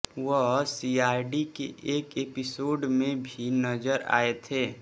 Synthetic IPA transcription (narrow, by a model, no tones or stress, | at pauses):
wəɦsiːaːɾɖikeʔeːkeːpɪsoːɖmẽbʱinəd͡ʒəɾa̰ːet̪ʰeː